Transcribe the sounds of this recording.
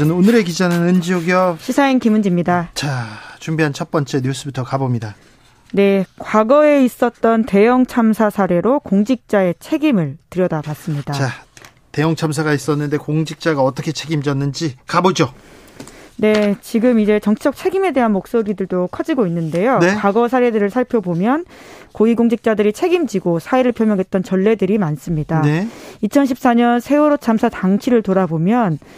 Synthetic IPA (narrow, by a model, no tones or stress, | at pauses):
ʌnɯnonɯɾe̞kid͡ʑanɯnɯnd͡ʑioɡiʌɕʰisʰainkimund͡ʑimɲidat͡ɕat͡ɕumbiɦant͡ɕʰʌt̚p͈ʌnt͡ɕ͈e̞ɲjus͈ʰɯbitʰʌkabomɲida | ne̞kwaɡʌe̞is͈ʌt̚t͈ʌnte̞jʌŋt͡ɕʰamsʰasʰaɾe̞ɾokoŋd͡ʑik̚t͡ɕ͈ae̞t͡ɕʰe̞ɡimɯɭtɯɾjʌdabas͈ɯmɲidat͡ɕa | te̞jʌŋt͡ɕʰamsʰaɣais͈ʌnːɯnde̞koŋd͡ʑik̚t͡ɕ͈aɡaʌt͈ʌkʰe̞t͡ɕʰe̞ɡimd͡ʑʌnːɯnd͡ʑikabod͡ʑo | ne̞t͡ɕiɡɯmid͡ʑe̞t͡ɕʌŋt͡ɕʰid͡ʑʌk̚t͡ɕʰe̞ɡime̞de̞ɦanmok̚s͈oɾidɯɭdokʰʌd͡ʑiɡoinːɯnde̞jokaɡʌsʰaɾe̞dɯɾɯɭsʰaɭpʰjʌbomjʌn | koiɡoŋd͡ʑik̚t͡ɕ͈adɯɾit͡ɕʰe̞ɡimd͡ʑiɡosʰaeɾɯɭpʰjʌmjʌŋɦe̞t̚t͈ʌnt͡ɕʌɭːe̞dɯɾimans͈ɯmɲidaneit͡ɕʰʌnɕʰip̚s͈aɲʌnsʰe̞uɾot͡ɕʰamsʰataŋt͡ɕʰiɾɯɭtoɾabomjʌn